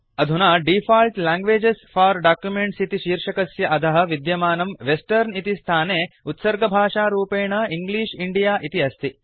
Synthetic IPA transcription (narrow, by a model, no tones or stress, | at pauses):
ɐd̪ʱunaːɖiːfʰaːlʈlaːŋɡʋeːd͡ʒesfaːɾɖaːkjumeɳʈsit̪iʃiːɾʂɐkɐsjɐʔɐd̪ʱɐɦɐ̆ʋid̪jɐmaːnɐmʋesʈɐɾnit̪ist̪ʰaːneːut̪sɐɾɡɐbʱaːʂaːɾuːpeːɳɐiŋɡliːʂiɳɖijaːʔit̪iɐst̪ʰi